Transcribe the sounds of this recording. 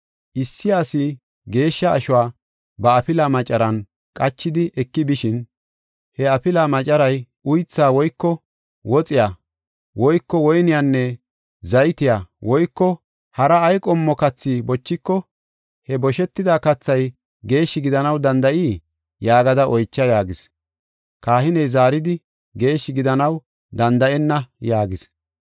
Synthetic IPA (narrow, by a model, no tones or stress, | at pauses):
ʔɪsːɪjaːsɪ | ɡe̞ːʃːɐ̰ːʃʊwaː | bɐːpɪlɐmɐt͡ʃʼːɐɾɐn | kʼɐt͡ʃːɪd̪ɪʔɛkːɪbɪʃɪn | hɛɐpɪlamɐt͡ʃʼɐɾɐj | ʊjt͡sːaːwɔjkːɔ | wɔt͡sʼɪja | wɔjkːɔwɔjnɪjanːɛ | zɐjt̪ɪjawɔjkːɔ | hɐɾɐːjkʼɔmːɔkɐt͡sːibɔt͡ʃːɪkːɔ | hɛbɔʃɛt̪ːɪd̪aːkɐt͡sːɐj | ɡe̞ːʃːɪɡɪd̪ɐnɐwd̪ɐnd̪ɐʔiː | jaːɡɐd̪ɐʔɔjt͡ʃːɐjaːɡɪs | kaːhɪnɛjzaːɾɪd̪ɪ | ɡe̞ːʃːɪɡɪd̪ɐnɐw | d̪ɐnd̪ɐɛnːɐjaːɡɪs